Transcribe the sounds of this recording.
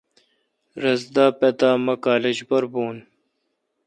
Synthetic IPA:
ɾɐzd̪aːpet̪aːmɐkaːled͡ʑbɐɾboːn

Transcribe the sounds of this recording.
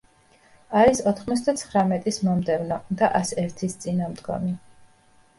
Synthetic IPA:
aɾisɔt̪ʰχmɔt̪sʰd̪at̪sʰχɾamɛt̪ʼismɔmd̪ɛvnɔd̪aʔasɛɾt̪ʰist̪sʼinamd̪ɡɔ̰mi

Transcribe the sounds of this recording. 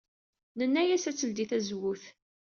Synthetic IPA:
nənːæjæsæt͡sːəld̪iθæzwʊθ

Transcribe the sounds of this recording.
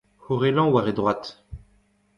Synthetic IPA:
hoʁelɑ̃waʁed̪ʁwat̪

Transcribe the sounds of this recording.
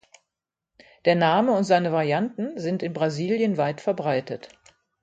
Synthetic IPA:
d̥eːɐnaːməʊntz̥aɪnəvaʁjantn̩zɪntɪnbʁaziːljənvaɪtfɛɐbʁaɪtət

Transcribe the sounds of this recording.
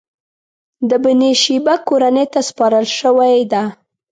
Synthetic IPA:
d̪əbɪneʃibakoɾanet̪aspɑɾəlʃəwajd̪a

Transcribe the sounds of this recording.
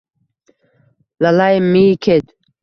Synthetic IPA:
lalajmːikʰed̪

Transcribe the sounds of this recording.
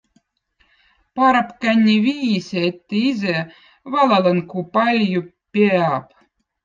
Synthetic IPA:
pɑɾɑpkænʲːivʲiːsʲeet̪ːeizʲæ | vɑlɑlɤnkupɑlʲju | pʲeɑp

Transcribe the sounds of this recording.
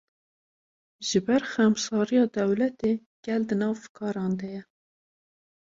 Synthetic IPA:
ʒɨbɛɾxɛmsɑːɾijɑːd̪ɛwlɛt̪e | ɡ̥ɛld̪ɨnɑːvkʰɑːɾɑːnd̪ɛjɛ

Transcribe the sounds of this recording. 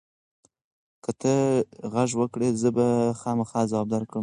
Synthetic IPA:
kət̪ʰəɣaʒwəkɽezəbaxɑmaxɑzawɑb̚d̪aɾkɽəm

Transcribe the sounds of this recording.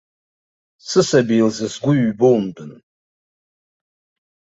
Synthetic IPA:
sɨsɐbilzɨsɡʷʊɥboːmdɨn

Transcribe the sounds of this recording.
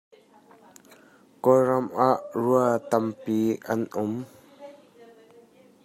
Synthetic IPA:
kɔɾɐmʔaʔruət̪ɐmpiːʔɐnʔʊm

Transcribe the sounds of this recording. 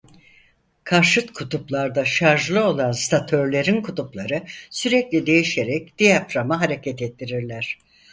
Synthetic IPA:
kʰaɾʃɯt̪kʰut̪ʰuplˠaɾd̪aʃaɾʒlˠɯo̞lˠanst̪ʰat̪ʰø̞ɾlʲe̞ɾinkʰut̪uplˠaɾɯsyɾɛclʲid̪e̞jiʃe̞ɾɛc̚d̪̥ijapɾamaɦaɾe̞cʰɛt̪ɛt̪ːiɾiɾlʲæɾ̥

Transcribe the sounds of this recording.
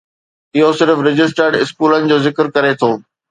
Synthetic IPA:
ɪɦosɪɾfɾɪd͡ʑɪsʈəɾɖɪskuːlənɪ̆d͡ʑoːzɪkəɾkɐɾet̪ʰoː

